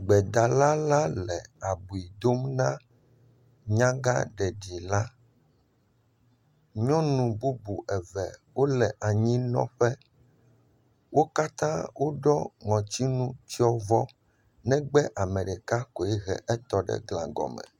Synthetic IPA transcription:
ɡ͡bɛ˨d̪a˨la˦la˦lɛ˨a˨bu˨i˨d̪o˦mnã˦ | ɲã˦ɡa˦ɖɛ˨ɖi˨la˦ | ɲɔ̃˦nũ˨bu˦bu˨ʔɛ˨vɛ˨wo˦lɛ˨ʔa˨ɲĩ˦nɔ̰̃˦ɸɛ˦ | wo˦ka˦t̪ã˦wʔo˦ɖɔ˦ŋɔ̃˨t͡ɕi˦nũ˦t͡ɕi˦ɔ˦vɔ˦ | nɛ̃˦ɡ͡bɛ˦ʔa˨mɛ̃˨ɖɛ˨ka˦ko˨ɛ˦ɣɛ̰˨ʔɛ˦t̪ɔ˨ɖɛ̰˦ɡlã˨ɡɔ̰˨mɛ̰˨

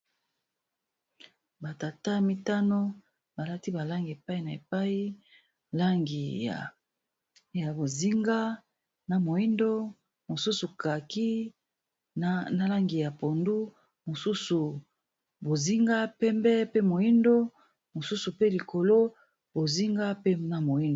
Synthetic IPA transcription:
ba˨ta˨ta˦mi˦ta˦no˦ | ba˨la˦ti˦ba˨la˦ŋɡi˨e˨pa˦i˨na˨e˨pa˦i˦ | la˦ŋɡi˨a˨ | ja˨bo˨zi˦ŋɡa˦ | na˨mo˨i˦ndo˦ | mo˨su˦su˨ka˨ki˦ | na˨la˦ŋɡi˨ja˨po˨ndu˦ | mo˨su˦su˨ | bo˨zi˦ŋɡa˦pɛ˦mbɛ˦pe˦mo˨i˦ndo˦ | mo˨su˦su˨pe˦li˨ko˨lo˦ | bo˨zi˦ŋɡa˦pe˦na˨mo˨i˦ndo˨

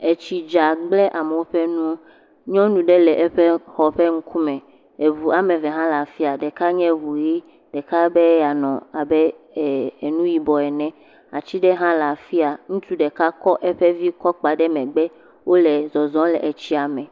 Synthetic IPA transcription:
e˨t͡ɕi˨d͡ʒa˨ɡ͡blɛ˦ʔa˨me˨wo˦ɸɛ˦nũ˦ | ɲɔ̃˦nũ˨ɖe˦lɛ˨ʔɛ˦ɸɛ˦xɔ˨ɸe˦ŋ̩˦kʰu˦mɛ̃˨ | e˨vu˨a˨mẽ˨vɛ˨ɦã˦la˨fi˦a˨ɖe˨ka˦ɲɛ̃˦vu˨ji˦ | ɖɛ˨ka˦bɛ˦ja˨nɔ̃˨a˨bɛ˦˨ | e˨nũ˦ji˨bɔ˨ɛ˨nɛ̃˦ | a̰˨t͡ɕi˦ɖɛ˦ɦã˦la˨fi˦a˨ŋũ˦t̪u˦ɖɛ˨ka˦kɔ˦ʔɛ˦ɸɛ˦vi˦kɔ˦k͡pa˨ɖɛ˦mɛ̃˨ɡ͡bɛ˦ | wo˦lɛ˨zɔ˨zɔ̃˦lɛ˨ʔe˨t͡ɕi˦a˨mɛ̃˨

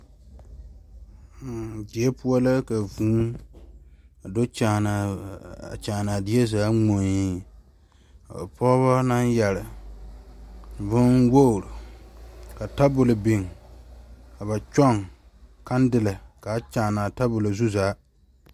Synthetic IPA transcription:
dɪ˨ɛ˦pʊ˦ɔ˦la˦ka˨vũː˦ | a˨do˦t͡ʃaː˨na˨a̰˨t͡ʃaː˨na˨dɪ˦ɛ˦zaː˦ŋ͡mo˨ɲi˦ | a˨a˨pɔ˦βa˦na˦njɛ˨lɪ˨ | vʊ˦nwo˦˨ɾʊ˨ | ka˨ta˦bʊ˨lɪ˨bɪ˨ŋ | ka˨βa˨t͡ʃɔ˦˨ŋ | ka˦n˦dɪ˨la˨ka˨˦t͡ʃaː˨na˨ta˦bʊ˨la˨zu˦zaː˨˦

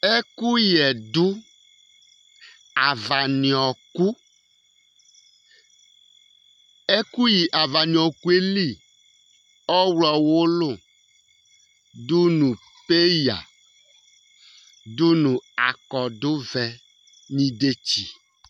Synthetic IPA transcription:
e˦ku˦jɛ˨dʊ˦ | a˨va˨ni˨ɔ˨ku˦ | e˦ku˦ji˨ʔa˨va˨nĩ˨ɔ˨ku˦e˦li˦˨ | ɔ˦wlɔ˨wo˦lo˦˨ | du˦nũ˨ | pe˦ja̰˨ | do˦nũ˨a˨kɔ˨d̪ʊ˦vɛ˨ | nĩ˦de˦t͡ɕi˨

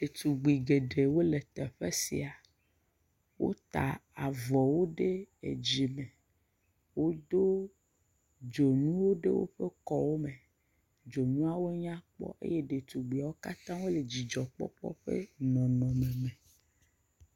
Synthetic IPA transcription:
ɖ̥e˨t̪u˨ɡ͡bi˨ɡe˨ɖe˨wo˦le˨t̪ɛ˨ɸe˦sḭ˨a˨ | wʔo̰˦t̪a̰˨a˨vɔ˨wo˦ɖe˦ḛ˨d͡ʑi˨mẽ˨ | wo˦d̪o˦ | d͡ʒo˨nũ˦wo˦ɖḛ˦wo̰˦ɸe˦kɔ˦wo˦mẽ˨ | d͡ʒo˨ɲũ˦a˦wo˦ɲã˦k͡pɔ̰˦ʔḛ˦je˦ɖe˨t̪u˨ɡ͡bi˨a˨wo˦ka˦t̪ã˦wo˦le˨d͡ʑi˨d͡ʒɔ˨k͡pɔ̰˦k͡pɔ̰˦ɸḛ˦nɔ̃˨nɔ̃˨mẽ˨mẽ˨

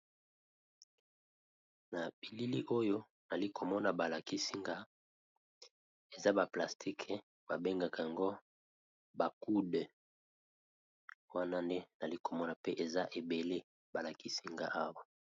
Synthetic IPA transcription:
na˨bi˨li˦li˦ʔo˦jo˦ | na˨li˦ko˨mɔ˦na˨ba˨la˨ki˦si˦ŋɡa˦ | e˨za˦ba˨pla˨stʰi˦kʰ | ba˨be˦ŋɡa˨ka˨a˨ŋɡo˦ | ba˨ku˦d | wa˦na˦nde˦na˨li˦ko˨mɔ˦na˨pe˦ʔe˨za˦ʔe˨be˨le˦ | ba˨la˨ki˦si˦ŋɡa˦ʔa˦wa˦

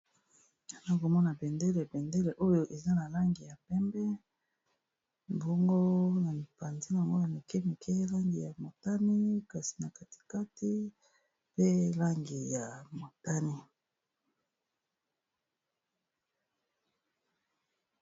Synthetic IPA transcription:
a˨na˦ko˨mɔ˦na˨bɛ˨nde˦le˨bɛ˨nde˦le˨ʔo˦jo˦ʔe˨za˦na˨la˦ŋɡi˨ja˨pɛ˦mbɛ˦ | mbɔ˦ŋɡo˦na˨pa˨nzi˦˨a˨ŋɡo˦na˨le˨ke˦mi˨kʰe˦la˦ŋɡi˨ja˨mo˨ta˦ni˦ka˨si̥˨na˨ka˨ti̥˨ka˦ti˦ | pe˦la˦ŋɡi˨ja˨mo˨ta˦ni˦

